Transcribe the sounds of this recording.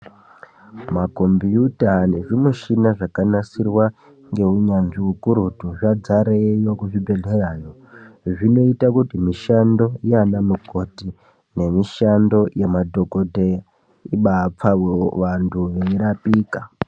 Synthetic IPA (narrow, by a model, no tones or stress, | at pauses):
mako̞mbjutane̞ʐimuʃinaʐakanasirwa | ŋɡe̞uɲanʐiukuɾutuʐad͡zaɾejokuʐibʱe̞ɮeraːjoʐino̞itakutimiʃando̞ianamuko̞ti | ne̞miʃando̞jemadʱo̞kodʱe | iɓap͡faweʋantʰuʋeiɾapiːka